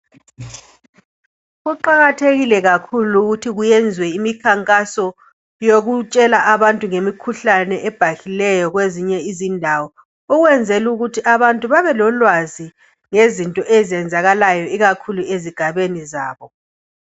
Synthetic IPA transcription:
ɣuǃaɣatʰeɣilɛɣakʰuluɣutʰiɣujɛnd͡zʱwɛimikʰaŋkʼasɔ | joɣut͡ʃʼɛlaʔaβantʼuŋemikʰuɬanɛʔɛb̥ʱaɣilɛjɔɣweziɲɛizindʱawɔ | uɣwɛnd͡zʱɛluɣutʰiʔaβantʼuβaβɛlɔlwazi | ŋezintʼɔʔɛzɛnd͡zʱaɣalajɔiɣakʰulueziɡ̥ʱaβeniza̰ːβɔ

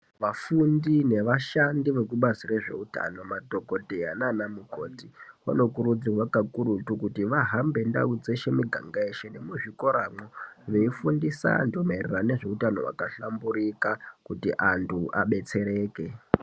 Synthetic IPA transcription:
ʋafundine̞ʋaʃandiʋe̞kuɓasireʐe̞̰uta̰no̞mato̞ko̞teananamuko̞̰ːtiwa̰no̞kuɾud͡ziwakakuɾutukutiʋaɦambe̞nda̰ud͡zeʃemiɡʱa̰ŋɡaeʃenemuʐiko̞ɾamoʋeifundisa̰ndomeirerane̞ʐe̞utano̞wa̰kaɬambuɾikakutḭʔantʰuʔa̰ɓe̞t͡se̞ɾeːke̞

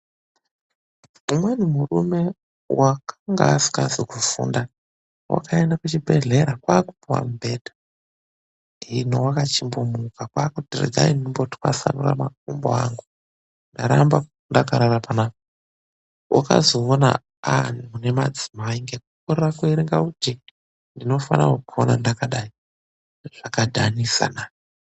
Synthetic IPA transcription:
umwenumurume̞ | wakʰaŋɡaːsi̥kasikufṵːnda | wa̰kʰaendakut͡ʃibʱe̞ɮe̞ɾakwaːkupiwa̰mubʱeːdʱḁ | inowakat͡ʃimbomukakwaːkutirḛɡʱa̰inimboti̥wa̰sa̰nura̰makumboaŋɡu | ndaɾamba | ndakaɾaɾapanako | wʔaka̰zo̞ːna̰ | anune̞mad͡zimaiŋɡekukoɾerakweiɾiŋɡaud͡ʒe | ndino̞fa̰na̰wokuonandakaɗai | ʐ̥akadʱanisa̰na

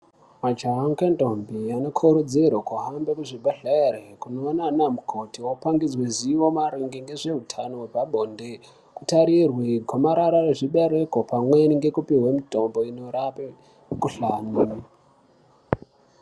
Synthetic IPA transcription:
mat͡ʃaaŋkentombianokʰuɾud͡zirwokuɦambekuʐibʱaɬaerekunoːnanamukʰotiwopaŋɡid͡zweziʋo̞maɾiŋɡiŋɡe̞ʐe̞ɦutʰano̞wepaɓoːnde | kutaɾirwikwomaɾaɾareʐiɓeɾekopamweniŋɡe̞kupiɦwemitombo̞inoɾape | kuɬaːni

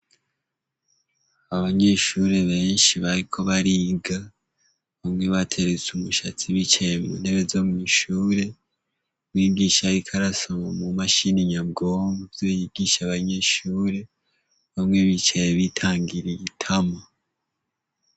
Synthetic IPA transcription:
aβaɲe̞ʃuːɾe̞βe̞ːnʃiβaɾikʰo̞βaɾiɡa | βamŋe̞βatʰe̞ɾet͡sumuʃat͡siβit͡ʃajemun̥e̞βezomuiʃuːɾe̞ | wiːɡiːʃaɾikʰaɾasomamumaʃiniɲabɡomuvjojiɡiʃaβaɲe̞ʃuːɾe̞ | βamŋe̞βit͡ʃajeβitʰaːŋɡiɾiɡitʰama

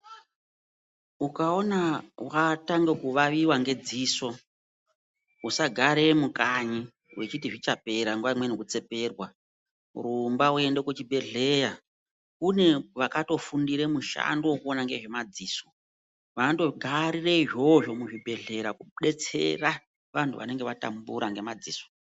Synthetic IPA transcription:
ukao̞nawataŋɡekuʋaʋiwaŋɡe̞d͡ziso̞ | usaɡʱaɾemukaɲi | wet͡ʃit̬iʐit͡ʃape̞ɾaŋɡwaimwenekut͡se̞pe̞ːrwa | rumbaue̞nde̞kut͡ʃibʱe̞ɮeja | kune̞ʋakato̞fundiɾe̞muʃa̰ndowokuonaŋɡe̞̰ʐe̞mad͡ziːso | ʋando̞ɡʱaɾireiʐo̞ʐo̞muʐibʱe̞ɮe̞ɾakuɗe̞t͡se̞̰ra | ʋantʰṵʋa̰ne̞ŋɡeʋata̰mbuɾaŋɡe̞mad͡ziːso̥

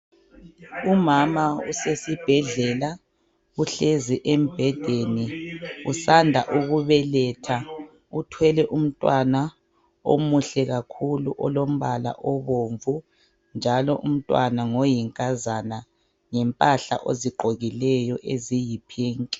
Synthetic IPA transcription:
umamaṵsesib̥ʱɛɮɛla | uɬeziʔem̩b̥ʱɛd̥ʱeniusandʱaʔuɣuβɛlɛtʰa | utʰwɛlɛʔum̩tʼwana | o̰muɬɛɣakʰuluʔɔlom̩βala̰ʔɔβoɱvu | nd͡ʒʱalɔʔum̩tʼwanaŋojiŋkʼazana | ŋɛmpʼaɬa̰ʔo̰ziɡ͡ǃʱoɣilɛjɔʔezijipʰiːŋkʼi̥

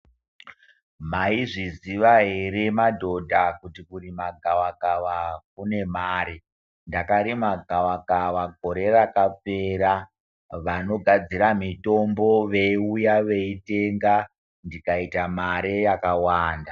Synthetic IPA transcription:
maiʐiziʋaɦeɾemadʱo̞dʱakutikuɾimaɡʱawakaʋak̚une̞maːɾe | ndakaɾimaɡʱawakaʋaɡʱo̞ɾe̞rakap͡fe̞ːɾa | ʋano̞ɡʱad͡ziɾamito̞mbo̞ʋe̞iujaʋe̞ite̞ŋɡa | ndikaitamaɾe̞jakawaːnda

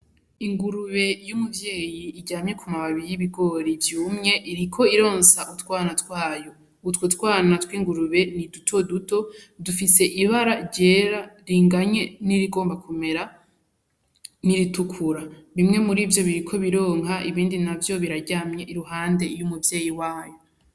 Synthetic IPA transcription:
iŋɡuɾuβe̞jumuvje̞ːjiːɟaːmɲe̞kʰumaβaβiɾjiβiɡo̞ːɾivjuːmɲe̞ʔiɾikʰo̞iɾo̞ːnsaʔutkwaːnatkwaːjo̞ | utwotwaːnatwiːŋɡuɾuβe̞nidutʰo̞duto̞dufise̞ʔiβaɾaɟeːɾaɾiːŋɡaɲe̞niɾiɡoːmbakʰume̞ɾa | niɾitukʰuɾaβimŋe̞muɾivjo̞βiɾikʰo̞βiɾo̞ːŋɦaʔiβiːndinavjo̞βiɾaɟaːmɲe̞ʔiɾuɦaːnde̞ijumuvje̞ːjiwaːjo̞

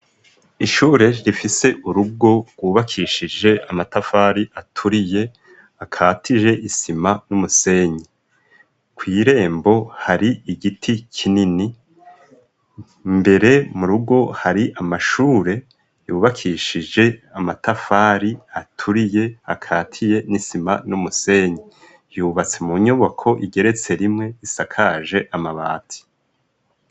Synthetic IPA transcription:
iʃuːɾe̞ɾifise̞ʔuɾuɡo̞ɡwuːβakʰiːʃid͡ʒe̞ʔamatafaːɾiʔatʰuɾije̞ | akʰaːtiʒe̞ʔisimanumuse̞ːɲie | kwiːɾe̞ːmbo̞haɾiiɡitʰicʰinini | mbe̞ɾe̞muɾuɡo̞haɾiʔamaʃuːɾe̞ | juːβakʰiʃid͡ʒe̞amatʰafaːɾiatʰuɾije̞a̰kʰaːtʰije̞nisima̰numuse̞ɲi | juβat͡se̞muɲoβokʰo̞ʔiɡe̞ɾe̞t͡se̞ɾimŋe̞isakʰaʒe̞ʔamaβa̰ːtʰi̥

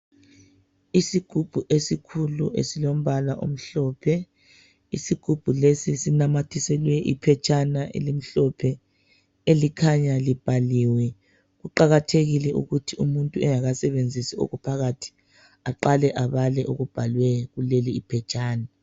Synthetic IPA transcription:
isiɡ̥ʱub̥ʱuʔesikʰulṵʔḛsilom̩βalaʔo̰m̩ɬɔːpʰɛ | isiɡ̥ʱub̥ʱulesisinamatʰisɛlwɛʔḭpʰɛt͡ʃʼanaʔḛlim̩ɬɔpʰɛ | elikʰaɲalib̥ʱaliːwɛ | ɣuǃaɣatʰeɣilɛʔṵɣutʰiumuntʼuɛjaɣasɛβend͡zʱisio̰ɣupʰaɣatʰi̥ | aǃalɛʔaβalɛʔoɣub̥ʱalwɛɣuleliːpʰɛt͡ʃʼaːna

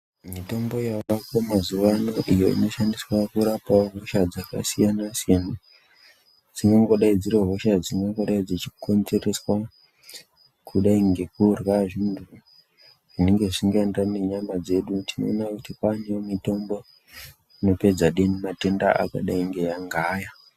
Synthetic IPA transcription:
mito̞mbo̞jaakomazuʋano̞ʔijo̞ḭno̞ʃandiswakuɾapaoɦo̞ʃad͡zaka̰sijanasijana | d͡ziŋɡaŋɡo̞ɗaid͡zireɦo̞ʃad͡ziŋɡaŋɡo̞ɗaid͡zit͡ʃikond͡zereswa | kʰuɗaiŋɡe̞kurwaʐindʱu | ʐine̞ŋɡe̞ʐsiŋɡaendaneɲamad͡ze̞ɗutʰino̞ːnakutikaɲeomito̞mbo̞ | ino̞pe̞d͡zaɗenimate̞nda̰a̰ka̰ɗaiŋɡe̞jaŋɡaːja

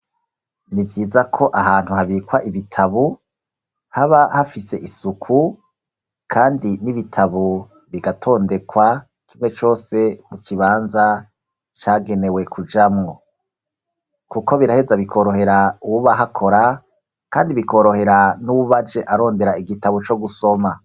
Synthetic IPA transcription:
nivjiːzakʰo̞ʔaɦaːn̥huhaβiːkwaʔiβitʰaβu | haβahafise̞ʔisukʰu | kʰaːndiniβitʰaβu | βiɡatʰo̞ːnde̞kwa | kʰimŋe̞t͡ʃo̞ːse̞mukʰiβaːnza | t͡ʃaːɡe̞ne̞we̞kʰud͡ʒamŋo̞ | kuko̞βiɾahe̞zaβikʰo̞ɾo̞he̞ɾauuβaɦakʰo̞ɾa | kaːndiβikʰo̞ɾo̞he̞ɾanuuβad͡ʒe̞ʔaɾo̞ːnde̞ɾaiɡitaβut͡ʃo̞ɡuso̞ma

